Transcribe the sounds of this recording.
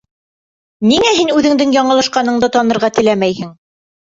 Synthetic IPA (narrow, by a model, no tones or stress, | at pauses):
niŋæɦinʉðɘ̆ŋd̪ɘŋjɑɴɤ̆lˠɤ̆ʃqɑnɤ̆ɴd̪ɤt̪ɑnɤ̆ɾʁɑt̪ɘ̆læmæjhɘŋ